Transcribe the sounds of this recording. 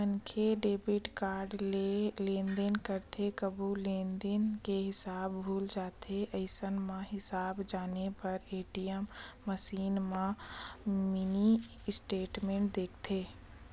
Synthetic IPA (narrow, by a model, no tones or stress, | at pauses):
ənkʰeɖeːbɪʈkaːɾɖelẽːnd̪enkəɾt̪ʰekəbuleːnd̪enkeɦɪsaːbbʱuːld͡ʒaːt̪ʰeʔɐɪsənmãɦɪsaːbd͡ʒaːnepɐɾeːʈijəmːəsiːnmã | mini | ɪsʈeːʈmẽːɳʈd̪eːkʰt̪ʰeː